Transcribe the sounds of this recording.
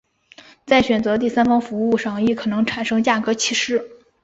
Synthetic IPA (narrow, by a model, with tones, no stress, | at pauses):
t͡sa˥˩ɪɕɥɛ˨˩nt͡sɤ˧˥t̪̬i˥˩sa˥nfɑ˥ŋfu˧˥u˥˧ʂɑ˥˩ŋi˥˩kʰɤ˨˩nɤ˧˥ŋʈ͡ʂʰa˨˩nʂɤ˥ŋt͡ɕja˥˩kɤ˧˥t͡ɕʰi˥˩ʂɻ̩˥˩